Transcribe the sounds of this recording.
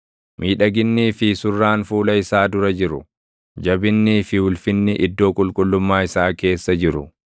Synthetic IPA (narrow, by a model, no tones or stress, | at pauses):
mʔiːᶑɐɡɪnːiːfɪsʊrːaːnfuːlɐɪsaːd̪ʊɾɐd͡ʒɪɾʊ̰ | d͡ʒɐbɪnːiːfɪwʊlfɪnːɪʔɪd̪ːo̞ːkʼʊlkʼʊlːʊmːaːɪsaːke̞ːsːɐd͡ʒɪɾʊ̰